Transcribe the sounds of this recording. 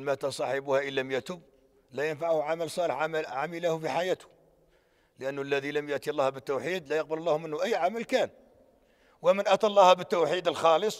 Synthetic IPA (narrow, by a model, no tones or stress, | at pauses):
mæt̪ɑsˤɑħəbuhæʔənːæmjæt̪ʊb | læjənfaʕhʕaməlsˤɑləħʕamʕaməlæhfiħajæt̪hʊ | ləʔənːəlːæðiləmjʊʔt̪ilːɑhbət̪ːuwħid̪læjəq̚bəllˤːɑhmənhʊʔæjːʕaməlkæn | wəmənʔæt̪ɑlˤːɑhbət̪ːuwħid̪əlxɑləsˤ